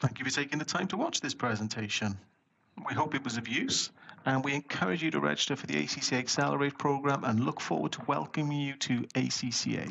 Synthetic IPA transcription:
θæ̃ŋkjɨfətʰeɪkɪ̃ŋðətʰãɪ̃mtʰəwɒt͡ʃðɪspʰɹ̥ɛzə̃ntʰeɪʃə̃n | wiɦoʊpɨt̚wɒzəvjʉˑsə̃nwiɨ̃nkʰʌɹɪd͡ʒɨɾə̰ɹɛ̰d͡ʒɪstəfəðiḛɪsisieɪksɛlˠə̰ɹeɪt̚pʰɹ̥oʊɡɹãmʔə̃nlʊkfɔ̰ːwə̰d̚tʰəwɛ̰lˠkə̃mjɨtʰəeɪsisḭːḛɪ

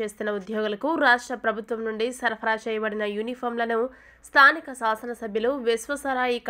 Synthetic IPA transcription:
e̞ːst̪unːɐud̪jɔːɡulɐkuɾaːʂʈɾɐpɾɐbʱut̪ʋɐmnuɳɖisɐɾpʰɐɾaːt͡ʃɛːjɐbɐɽinɐjunipʰoːɾmlɐnu | st̪ʰaːnikɐsaːsɐnɐsɐbʱjɐluʋisʋɐsɐɾaːjik

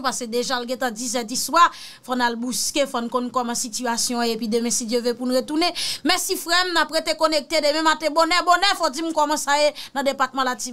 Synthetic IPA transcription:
pasedeʒalɡɛ̃t̪ãd͡zisɛt̪̬iswa | fɔnalbuskefɔnukɔ̃nkɔmɐ̃sityasjɔ̃epidemɛ̃sidøvepunuɣetunemɛ̃sifɣɛmnapɣet̪ekonek̚tedemɛ̃matebonɛbonɛfɔd͡zimkɔmãsajenɐ̃depat̪̚mãlati

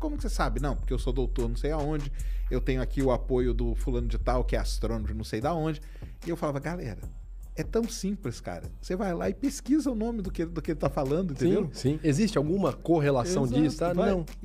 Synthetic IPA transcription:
kõmʊkɪ̥sesabɪnɐ̃w̃pʊɾkeewsod̪owt̪oɾnɐ̃w̃sejaõd͡ʒɪewt̪ẽɲʊakiʊapojʊd̪ʊfulɐ̃nʊd͡ʒɪt̪awkɪɛast̪ɾõnmɾɪnɐ̃w̃sejd̪aõd͡ʒɪ | ɪewfalavɐɡalɛ̰ɾɐ̰ | ɛt̪ɐ̃w̃sĩplɪska̰ɾɐ̰sevajlaɪpeskizɐʊnõmɪd̪ʊkɪed̪ʊkɪelɪt̪afalɐ̃nd̪ʊĩt̪t̪eĩd̪ewsĩezist͡ʃɪawɡũmɐkoɦelassɐ̃w̃d͡ʒ̪isʊt̪avaɐ̃w̃

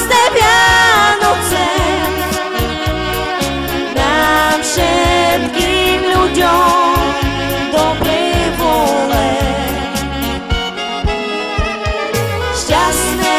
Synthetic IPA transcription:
snɛpʲjanɔt̪sɛ | nafʂɛt̪kʲiiimlud͡ʑɔ | d̪ɔbɾɛvɔlɛ | ɕt͡ɕasnɛ

